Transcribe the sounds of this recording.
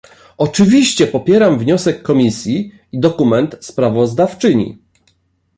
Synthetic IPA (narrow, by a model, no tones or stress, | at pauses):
ɔt͡ʂɘvʲiɕt͡ɕɛpɔpʲjɛɾamvɲɔsɛkːɔmʲisʲji | id̪ɔkumɛnt̪spɾavɔzd̪aft͡ʂɘɲḭ